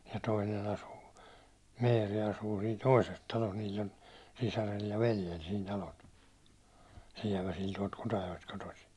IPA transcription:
jɑ toinen ɑsuː meːri ɑsuː siːn toises tɑlos niːlː on sisærel jɑ ʋeljel siːn tɑlot siɛʋæsil tuɒlt kutɑjoest kotosi

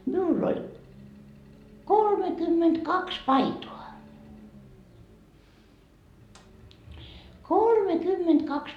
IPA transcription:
miulː olʲ kolmekymːentkɑks pɑitoɑ kolmekymːentkɑks

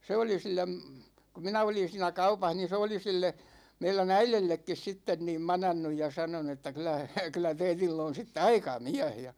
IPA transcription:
se oli silˑem ku minæ olin̞ siːnæ kɑupɑh niːn̞ se oli silːe meilæn æilelːekːis sitːen niːm mɑnɑnːuj jɑ sɑnonu etːæ kylˑæ kylˑæ teitilː on̞ sitːe ɑikɑ miæ̝h jɑ

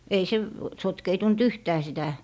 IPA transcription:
ei se sotkeitunt yhtæː sitæ

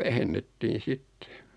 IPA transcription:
ʋæhenːetːiːn̞ sitːe̥

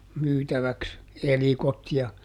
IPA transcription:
myːtæʋæks elikot jɑ

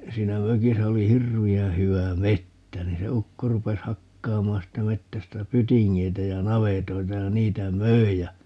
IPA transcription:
siːnæ møkisæ oli hirʋiæ̃ː hyæ metːæ niːn se ukːo rupes hɑkːɑːmɑːn siːtːæ metːæstæ pytiŋːeitæ jɑ nɑʋetoitɑ jɑ niːtæ møi jɑ

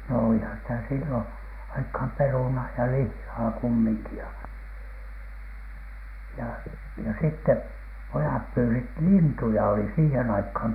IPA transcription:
no oˑlihɑn sitæ silːon ɑikhɑm perunɑː jɑ lihːɑː kumːiŋki jɑ jɑ jɑ sitːe pojɑp pyːsit lintujɑ oli siːhen ɑikhɑm

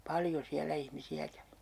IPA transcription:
pɑljo siælːæ ihmisiæ kæʋi

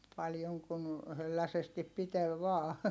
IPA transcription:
pɑljoŋ kun hølːæsestip pitel ʋɑː

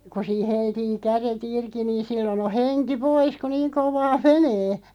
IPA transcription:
ku siː heltiː kæret irki niːn̞ silːon o henki pois ku niːŋ koʋɑː meneː

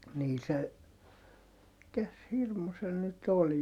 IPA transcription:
niː se mikæs hirmu se nyt ol

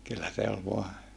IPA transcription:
kylːæ se ol ʋoɑ

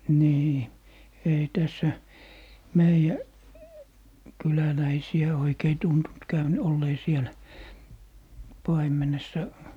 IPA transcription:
niː ei tæsːæ meijæ kylælæisiæ oikei tuntunt kæyn olːeː sielæ pɑimˑenesːɑ

